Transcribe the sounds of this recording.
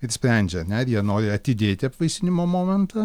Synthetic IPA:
ɪɾsʲpʲɾʲɛnʲd͡ʒʲɛɐnʲɛɪɾjiɛnoːɾʲɪɐt̪ʲɪd̪ʲeːt̪ʲɪɐpʋɐɪsʲɪnʲɪmoːmoːmʲɛnt̪ɐ

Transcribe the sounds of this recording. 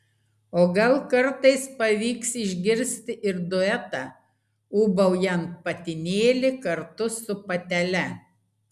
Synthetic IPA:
oːɡɐlˠkɐɾt̪ɐɪspɐʋʲiːksɪʒʲɡʲɪɾʲsʲt̪ʲɪʔɪɾd̪ʊɛt̪ɑˑ | uːbɐʊjɛnt̪̚pɐt̪ʲɪnʲeːlʲɪkɐɾt̪ʊsʊpɐt̪ʲɛlʲɛ

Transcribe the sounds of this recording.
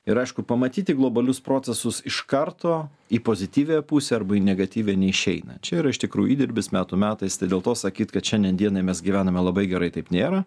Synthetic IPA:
ɪɾɐɪʃkʊpɐmɐt̪ʲiːt̪ʲɪɡlˠoːbɐlʲʊspɾoːt͡s̪sʲɛsʊsɪʃkɐrt̪oː | iːpoːzʲɪt̪ʲiːʋʲepuːsʲɛɐɾbɐinʲɛɡɐt̪ʲiːʋʲeːnʲɛɪʃʲɛɪnɐ̰t͡ʃʲɛiːɾɐɪʃt̪ʲɪkɾṵːjʊiːd̪ʲɪɾʲbʲɪsmʲæːt̪umʲæːt̪ɐɪst̪ɐɪd̪ʲeːlˠt̪oːsɐkʲiːt̪kɐt̪ʃʲɛnʲd̪ʲɛnd̪ʲiɛnɐɪmʲɛsɡʲiʋʲæːnɐmʲɛlˠɐbɐɪɡʲɛɾɐɪt̪ɐɪpnʲeːɾɐ

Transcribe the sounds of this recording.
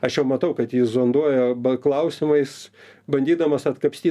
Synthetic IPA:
ɐʃjɛʊmɐt̪ɐʊkɐt̪jiːzoːnd̪uɔjobɐklˠɐʊsʲɪmɐɪsbɐnʲd̪ʲiːd̪ɐmɐsɐt̪kɐpʲsʲt̪ʲiː

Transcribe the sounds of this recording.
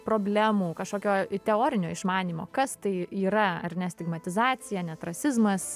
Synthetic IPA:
pɾoːbʲlʲæmuːkɐʃkoːkʲoːt̪ʲɛoːɾʲɪnʲoːɪʃmɑːnʲiːmo̰ːkɐst̪ɐɪiːɾɐɐ̰ɾʲnʲɛsʲt̪ʲɪɡmɐt̪ʲɪzɑːsʲɪjɛnʲɛt̪ɾɐsʲɪzmɐs

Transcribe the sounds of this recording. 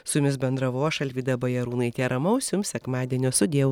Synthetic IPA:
sʊjʊmʲɪsbʲɛnd̪ɾɐʋoːʃɐlʲʋʲiːd̪ɐbɐjɛɾuːnɐɪt̪ʲeːɾɐmɐʊsʲjʊmsʲɛkmɑːd̪ʲiɛnʲoːsʊd̪ʲeɛʊ

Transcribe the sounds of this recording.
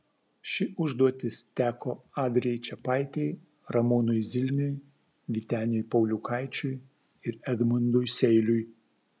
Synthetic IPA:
ʃʲɪʊʒd̪uɔt̪ʲɪst̪ʲæːkoːɑːd̪ʲɾʲɛɛjt͡ʃʲɛpɑɪt̪ʲɛɪ | ɾɐmʊnʊjzʲɪlʲnʲʊj | ʋʲit̪ʲæːnʲɪjʊjpɐʊlʲʊkʰɑɪt͡ʃʲʊj | ɪɾɛd̪mʊnd̪ʊjsʲɛɪlʲʊj

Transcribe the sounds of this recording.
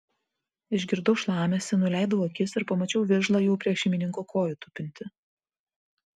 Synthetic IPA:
ɪʒʲɡʲɪɾd̪ɔʊʃlˠɑːmʲesʲɛnʊlʲæˑɪd̪ɐʊɐkʲɪsɪɾpɐmɐt͡ʃʲɛʊʋʲɪɾʒlˠɑjɛʊpʲɾʲiɛʃʲɛɪmʲɪnʲɪŋkokʰoːjʊt̪ʊpʲɪnʲt̪ʲɪ

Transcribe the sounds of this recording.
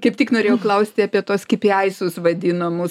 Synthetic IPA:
kɐɪp̚t̪ʲɪknoːɾʲeːjɛʊklˠɐʊsʲt̪ʲɪɐpʲiɛt̪oːskʲɪpjɛɪsʊsʋɐd̪ʲɪnɐmʊs

